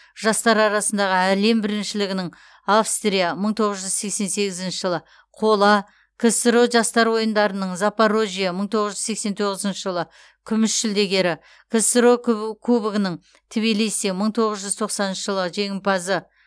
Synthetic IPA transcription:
ʒ̥ɑst̪ɑɾɑɾɑsənd̪ɑʁəæle̞mbɪɾɪnʃɪlɪɡʲɪnɪŋ | afst̪rʲijaməɴt̪ʰo̞ʁəzʒʏzse̞kse̞nse̞ɡʲɪzɪnʃɪʒəlˠə | qʰo̞lˠɑ | kʰesəɾo̞ʒɑst̪ɑɾwo̞jənd̪ɑɾənəɴzapaɾoʒijaməɴt̪ʰoʁəzʒʏzse̞kse̞nt̪ʰo̞ʁəzənʃəʒəlˠə | kʲʰʏmɪʃːɪld̪e̞ɡʲe̞ɾɪ | kʲʰesɾokʰubɡənəɴ | t̪ʰɪbilijsjaməɴt̪ʰo̞ʁəzʒʏzt̪ʰo̞qsɑnənʃəʒəlˠəʒe̞ŋʲɪmpɑzə

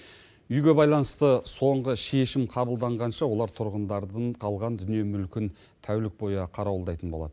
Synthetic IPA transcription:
ʏjɡʲe̞bɑjlˠɑnəst̪əso̞ɴʁəʃe̞ʃɪmqʰɑbəlˠd̪ɑɴʁɑnʃɑwo̞lˠɑɾt̪ʰʊɾʁənd̪ɑɾd̪əɴqʰɑlˠʁɑnd̪ʏnije̞mʏlkʲɪn | t̪ʰæwlɪk̚bo̞jɑqʰɑɾɑwlˠd̪ɑjt̪ənbo̞lˠɑd̪ə

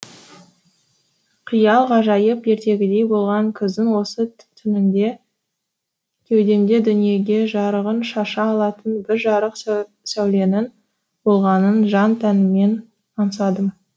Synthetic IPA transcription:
qʰijɑlˠʁɑʒɑjəpje̞ɾt̪e̞ɡʲɪd̪e̞jbo̞lˠʁɑŋkʲʰɪzd̪ɪnwo̞sə | t̪ʰʏnɪnd̪e̞ | kʲʰe̞wd̪e̞md̪e̞d̪ʏnije̞ɡʲe̞ʒɑɾəʁənʃɑʃɑːlˠɑt̪ənbɪɾʒɑɾəq | sæwle̞nɪn | b̥o̞lˠʁɑnənʒɑnt̪ʰænɪme̞n | ɑnəsɑd̪əm

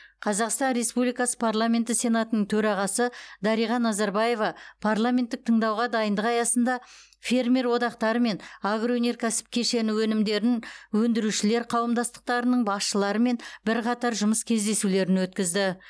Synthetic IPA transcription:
qʰɑzɑqst̪ɑnɾe̞spublijkɑsə̥pʰarlˠamʲe̞nt̪əsʲe̞nat̪ənəɴt̪ʰɵɾɑʁɑsəd̪ɑɾijʁɑnːɑzɑɾbaje̞vɑpʰarlˠamʲent̪ːɪk̚t̪ʰəɴd̪ɑwʁɑd̪ɑjənd̪əqɑjɑsənd̪ɑ | fʲe̞rmʲe̞ɾwo̞d̪ɑqt̪ɑɾəme̞nɑɡroone̞ɾkʲʰæsɪ̥p̚kʲʰe̞ʃe̞nɪwɵnɪmd̪e̞ɾɪnwɵnd̪ɪɾuʃɪle̞ɾqʰɑwəmd̪ɑst̪ə̥q̚t̪ɑɾənəɴbɑsʃəlˠɑɾəme̞nbɪɾqʰɑt̪ɑɾʒʊməskʲʰe̞zd̪e̞sule̞ɾɪnwɵt̪kʲɪzd̪ɪ

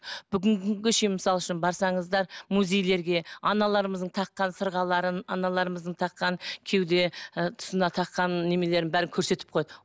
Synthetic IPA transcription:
b̥ʏɡʲɪŋʲɪŋɡʲɪʃeməsɑlˠʏʃɪnbɑɾsɑɴəzd̪ɑɾmuze̞jle̞ɾɡʲe̞ɑnɑlˠɑɾəməzd̪əɴt̪ʰɑqːɑnsəɾʁɑlˠɑɾənɑnɑlˠɑɾəməzd̪əɴt̪ʰɑqːɑŋkʲʰe̞wd̪e̞t̪ʰʊ̥sənɑt̪ʰɑqːɑnːe̞me̞le̞ɾɪnbæɾɪŋkʲʰɵɾse̞t̪ɪp̚qʰojɑd̪ə

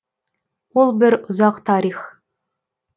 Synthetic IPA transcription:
wolˠbɪɾʊzɑqt̪ʰɑɾiχ

